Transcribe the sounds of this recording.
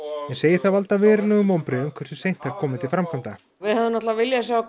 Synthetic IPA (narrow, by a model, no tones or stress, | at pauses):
ɛnseːjɪɾ̥θaðvalt̪avɛːɾɪnʏɣʏmowmpɾɪʏmkʰvɛɾsʏ̥sejn̥t̪aɾ̥kʰɔːmɪt̪ʰɪlfɾamkʰam̥t̪a | vɪðhavðɪnɔht̪lavavɪljasjaːw